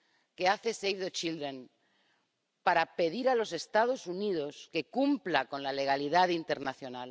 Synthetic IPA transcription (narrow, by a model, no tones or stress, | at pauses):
ke̞aθe̞sejfðet͡ʃild̪ɾen | paɾape̞ðiɾalo̞se̞st̪að̞o̞suniðo̞ske̞kumplako̞nlale̞ɣ̞aliðaðint̪e̞ɾnaθjo̞nal